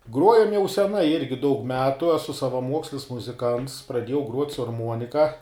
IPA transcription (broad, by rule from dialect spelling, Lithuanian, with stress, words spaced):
ˈɡruɔjɛm jɛʊ sʲɛˈnɐɪ ˈɪrʲɡʲɪ dɐʊk ˈmʲæːtʊ ɛˈsʊ sɐʋɐˈmuɔksʲlʲɪs mʊzʲɪˈkɐnts prɐˈdʲiɛjɛʊ ɡruɔtʲ sʊ ɐrˈmuɔnʲɪkɐ